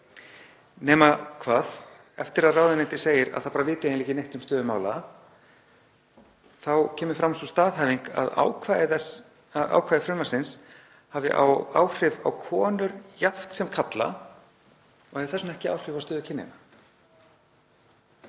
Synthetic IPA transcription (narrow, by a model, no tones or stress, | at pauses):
nɛːmakʰvaːð | ɛft̪ɪɾaðraːwðɪnɛnt̪ɪ̥seːjɪɾa̰ðθawpaːɾavɪːt̪ɪeːjniːcɪnejht̪ʏmst̪œːðʏmaːwla | θawcʰɛːmʏfɾamsɔst̪aːðɦaːviŋka̰ða̰wkʰva | ʔa̰wkʰaːjðɪfɾʏmasɪns | havɪ̰ʔa̰wa̰wr̥ɪva̰wkʰɔːnʏɾjaft̪sɛmkʰat̪la̰ | ɔhɛvɪ̥θɛsːʏmɛhcɪa̰ːwr̥ɪvawst̪œːðʏcʰɪnːɪ̰na